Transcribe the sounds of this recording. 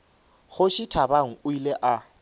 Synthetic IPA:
χʊʃitʰabaŋ̩ʊileʔa

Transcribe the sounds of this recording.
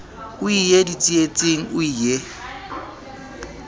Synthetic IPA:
ʊijedit͡sʼiet͡sʼeŋ̩ʊije

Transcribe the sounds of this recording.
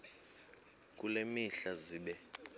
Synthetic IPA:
k̬ʼulemiɬaziːɓɛ

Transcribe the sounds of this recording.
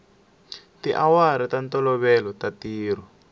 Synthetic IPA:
tiʔawaɾitantɔlɔβɛlɔtatiːr̤ɔ

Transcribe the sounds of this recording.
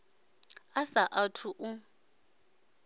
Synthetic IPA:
asaʔatʰuʔu

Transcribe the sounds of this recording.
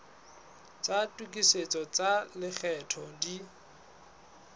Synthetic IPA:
t͡satʼukʼiset͡sʼɔt͡salɪk͡xʰɛtʰɔdi

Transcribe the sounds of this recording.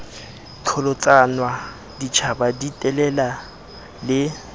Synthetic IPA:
t͡ɬʰɔlɔt͡sʼanwa | dit͡ʃʰabaditʼɛlɛla | lɪ

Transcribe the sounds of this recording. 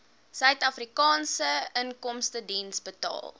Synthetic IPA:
sœɥtɐfrikɑːnsəəŋkɔmstədinsbətɑ̰ːlˠ

